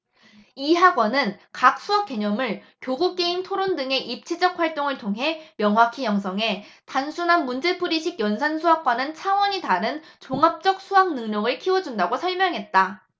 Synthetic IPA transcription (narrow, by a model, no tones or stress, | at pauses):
iɦaɡwʌnɯnkak̚s͈ʰuʌp̚k͈e̞ɲʌmɯɭ | kjoɡuk̚k͈e̞intʰoɾondɯŋe̞ʔip̚t͡ɕʰid͡ʑʌk̚ɸwaɭt͈oŋɯɭtʰoŋɦe̞mjʌŋɦwakʰijʌŋs̬ʰʌŋe̞ | tansʰunɦanmund͡ʑe̞pʰuɾiɕʰiɡjʌnsʰansʰuɦak̚k͈anɯnt͡ɕʰaŋwʌɲitaɾɯnt͡ɕoŋap̚t͡ɕ͈ʌk̚sʰuɦaŋnɯŋɲʌɡɯɭkʰiwʌd͡ʑundaɡosʰʌɭmjʌŋɦe̞t̚t͈a